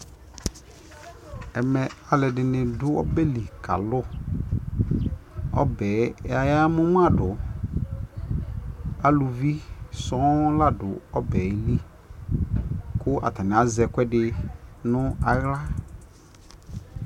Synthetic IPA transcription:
ɛ˨mɛ˨a˨lɛ˨dɪ˨nɪ̃˨dʊ˦ɔ̰˦bɛ˦li˨kʰa̰˨lʊ˦ | ɔ̰˦bɛ˨˦a˨ja˦mʊ̃˦m˦a˦˨dʊ˨ | a˨lʊ˨vi˦sɔ̃˨˦la˦dʊ˨ɔ˦bɛ˨˦li˦ | kʊ˦ʔa̰˨ta˨nɪ̃˨a˨zɛ˨kʷɛ˦dɪ˨nʊ̃˦a˨ɣla˦

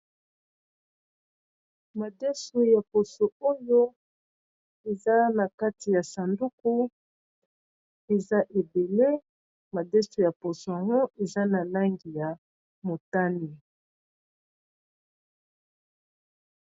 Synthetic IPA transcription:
ma˨dɛ˦su˨ja˨po˨so˨o˦jo˦ | e˨za˦na˨ka˦ti˨ja˨sa˨ndu˦ku˦ | e˨za˦ʔe˨be˨le˦ | ma˨dɛ˦su˨ja˨po˨so˨a˨ŋɡo˦ʔe˨za˦na˨la˦ŋɡi˨ja˨ | mo˨ta˦ni˨

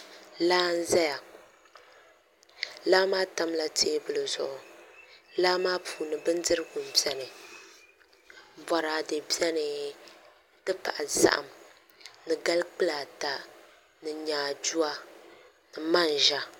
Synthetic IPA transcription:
laː˦n̩˦zɛ˦ja˨ | laː˦maː˦ta˦mla˨teː˦bɨ˨lɨ˨zʊ̰˨ʔʊ˨ | laː˦maː˦pʰuː˨nɨ˨bɨ˦ndɨ˦ɾɨ˦ɡʊ˨m̩˨bɛ˦nɨ˨ | ba˨ɾaː˨dɨ˨bi˦ɛ˦nɨ˨ | n̩˦tɨ˦pa̰˨ʔa˨za̰˦ʔa̰˨m | nɨ˨ɡa˦lk͡pɨ˦la˨ta˨ | nɨ˨ɲaː˨d͡ʒu˦a˨ | nɨ˨ma˦n˨ʒa˦

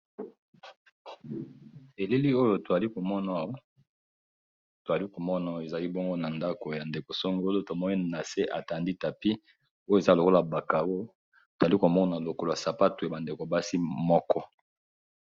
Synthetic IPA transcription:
e˨le˦li˦o˦jo˨to˨za˨li˦ko˨mɔ˦na˨˦ | to˨a˨li˦ko˨mɔ˦na˨˦˨e˨za˨li˦bo˦ŋɡo˦na˨nda˦ko˨ja˨nde˨ko˨so˦ŋɡo˦lo˦to˨mɔ˦ni˦na˨se˦ʔa˨ta˨ndi˦ta˨pi˦ | o˦jza˦˨lo˨ko˦la˨ba˨ka˨o˦jo˦ | to˨a˨li˦ko˨mɔ˦na˨lo˨ko˨la˨sa˨pa˦tu˨ja˨ba˨nde˨ko˨ba˦si˦mɔ˦kɔ˦

